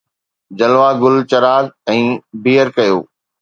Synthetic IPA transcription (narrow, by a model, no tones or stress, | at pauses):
d͡ʑɐlʋaɡʊlt͡ɕɐɾaːzɛ̃ːbiːəɾkɐjo̰ː